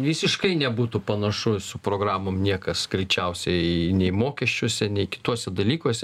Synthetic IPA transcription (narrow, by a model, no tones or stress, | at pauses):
ʋʲiːsʲɪʃkɐɪnʲɛbuːt̪ʊpɐnɐʃʊsʊpɾoːɡɾɑːmoːmnʲiɛkɐsɡ̥ɾʲɛɪt͡ʃʲɛʊsʲɛɪnʲɛɪmoːkʲɛʃʲt͡ʃʲuɔsʲɛnʲɛɪkʲɪ̥t̪uɔsʲɛd̪ɐlʲiːkuɔsʲɛ